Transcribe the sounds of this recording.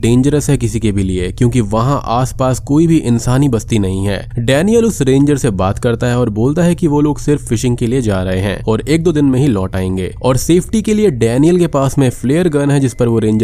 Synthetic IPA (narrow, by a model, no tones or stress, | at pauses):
ɖẽːɲd͡ʒəɾəsɦɛkɪsikebʱiliekjõːk̬iʋɐɦãʔaːspaːskoːibʱiʔɪ̃nsaːnibɐst̪inɐɦĩɦɛ̰ːɖɛːnijəlʊsɾẽːɲd͡ʒəɾsebaːt̪kɐɾt̪aɦɛɔːɾboːlt̪aɦɛkiʋoloːɡsɪɾfːɪʃɪ̃ŋɡkelied͡ʒaːɾɐɦeɦɛ̰̃ɔːɾeːk̚d̪oːd̪ɪnmẽɦilɔːʈaːẽːŋɡḛːɔːɾseːfʰʈikelieɖɛːnijəlkepaːsmẽfleːəɾɡənɦɛd͡ʒɪspɐɾʋoɾẽːɲd͡ʒə